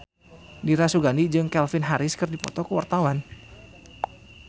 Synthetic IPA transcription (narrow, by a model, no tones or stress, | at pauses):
diɾasuɡanid͡ʒɨŋkɛlfɪnɦaɾɪskɨrdipɔ̰t̪ɔkəwa̰rt̪awan